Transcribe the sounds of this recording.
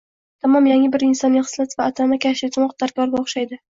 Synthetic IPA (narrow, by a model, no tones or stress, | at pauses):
t̪ʰamɒmjaŋʲɪbɪɾɪnsɒnːɪχɨ̥slat̪vaːt̪ʰamakʲʰaʃɪt̪ʰɪmɒqd̪̥aɾkʲɒɾɡʲaoχʃajd̪ɪ